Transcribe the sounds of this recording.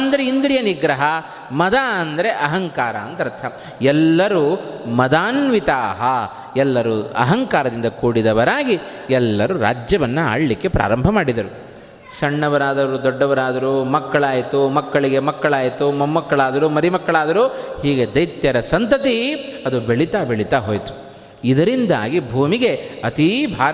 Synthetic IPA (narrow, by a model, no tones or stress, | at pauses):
ɐnd̪ɐɾeind̪ɾijɐniɡɾɐɦɐ | mɐd̪aːɐnd̪ɐɾe̞ʔɐɦɐŋkaːɾɐːnt̪ɐɾt̪ʰːɐ | ɛlːɐɾumɐd̪aːnʋit̪aːɦɐ | ɛlːɐɾuɐ̰ɦɐŋkaːɾɐd̪ind̪ɐkuːɽid̪ɐʋɐɾaːɡi | ɛlːɐɾuɾa̰ːd͡ʒjɐʋɐnːua̰ːɽɐlikːe̞pɾa̰ːɾɐmbʱɐmaːɽid̪ɐɾu | sɐɳːɐʋɐɾaːd̪ɐɾud̪ɔɖːɐʋɐɾaːd̪ɐɾumɐkːɐɭaːjt̪umɐkːɐɭiɡe̞mɐkːɐɭaːjt̪umɐmːɐkːɐɭaːd̪ɐɾumɐɾimɐkːɐɭaːd̪ɐɾuːhiːɡed̪ɐjt̪jɐɾɐsɐnt̪ɐt̪iɐd̪ubeɭit̪aːbeɭit̪aɦoːjt̪u̥ | id̪ɐɾind̪a̰ːɡibʱuːmiɡe̞ɐt̪ibʱaːɾ